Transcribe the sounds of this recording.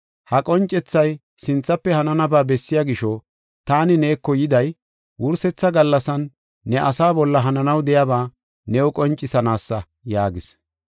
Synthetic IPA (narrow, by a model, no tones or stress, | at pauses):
hɐkʼɔnt͡ʃʼːɛt͡sːɐj | sɪnt͡sːɐpːɛhɐnɐnɐbaːbɛsːɪjaːɡɪʃɔ | t̪aːnɪne̞ːkːɔjɪd̪ɐj | wʊɾsɛt͡sːɐɡɐlːɐsɐnː | ɛʔɐsaːbɔlːɐɦɐnɐnɐwd̪ɛjabaː | nɛʊkʼɔnt͡ʃʼːɪsɐnaːsːɐ | jaːɡɪs